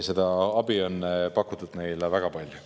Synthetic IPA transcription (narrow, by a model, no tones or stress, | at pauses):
se̞d̪ɑɑbio̞nːpɑkːˑut̪ːˑud̪̥ne̞jlevæɡ̥ɑpɑlʲju